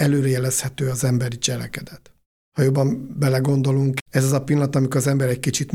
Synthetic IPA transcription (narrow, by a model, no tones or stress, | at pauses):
ɛløːɾɛjɛlɛshɛt̪øːɒzɛmbɛɾit͡ʃɛlɛkɛd̪ɛt̪ | hɒjo̞bːɒmbɛlɛɡo̞nd̪o̞luŋkɛzɒzɒpilːɒɒt̪ɒmikzɛmbɛɾɛckit͡ʃit̪